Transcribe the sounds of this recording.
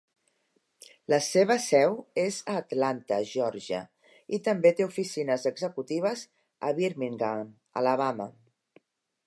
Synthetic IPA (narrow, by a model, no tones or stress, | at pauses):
ləseβ̞əsɛwezəːt̪lant̪ə̰ʒɔɾʒə̰ | it̪əmbet̪eufisinəzəɡzəkut̪iβ̞əz | ə̰βiɾmiŋɡam | ə̰ləβ̞amə